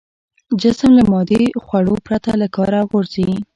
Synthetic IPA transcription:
d͡ʒɪsəmlamɑd̪exwaɽopɾat̪alakɑɾaɣoɾzi

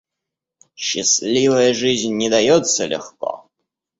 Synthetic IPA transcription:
ɕɛsʲlʲivɛjʐɨʑʲɲʲːɛd̪ajɔt̪səlʲɛ̰xkɔ̰

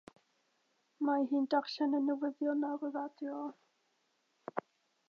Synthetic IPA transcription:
maɦɨːndarɬɛnənəwəðjɔnarəvadjɔ

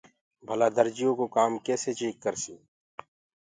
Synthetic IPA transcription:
bʱəlad̪əɾd͡ʒɪjõkokaːmkɛːset͡ʃiːkːəɾsiː

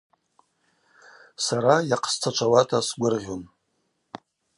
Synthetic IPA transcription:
saɾajaqʰst͡sʰaʈ͡ʂʷʰawatʰasɡʷʊrʁʲon

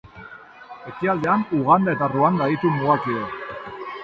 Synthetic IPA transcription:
e̞kiald̪e̞anuɣand̪ae̞t̪aruand̪ait̪umuakio

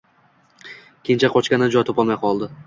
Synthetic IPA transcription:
kʲʰent͡ʃʰaqʰɒt͡ʃkʲanɪd͡ʒɒjt̪ʰopamajqʰɒlˠd̪ɪ

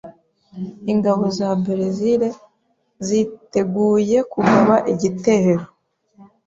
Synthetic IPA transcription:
iŋɡaβo̞zabeɾeziɾe̞ | zite̞ɡuːje̞kuɡaβaʔiɟite̞heɾo

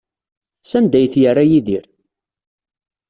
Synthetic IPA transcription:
sænd̪æjθjərːajiðiɾ

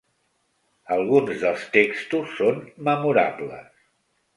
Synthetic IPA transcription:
əlˠɣunzðəlˠst̪ekst̪usːonməmuɾa̰blə̰s

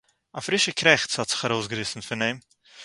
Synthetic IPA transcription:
afɾɪʃəkɾɛχt͡shɔtz̥ɪ̥χaɾoʊsɡəɾɪsn̩fɪneɪm

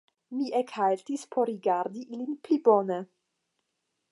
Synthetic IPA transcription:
miʔekhaltispʰoɾɾiɡaɾdiʔilinplibone

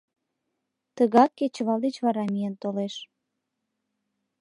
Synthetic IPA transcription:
t̪əɣɑkːet͡ɕəβɑlˠd̪et͡ɕβɑɾɑmijent̪oleʃ

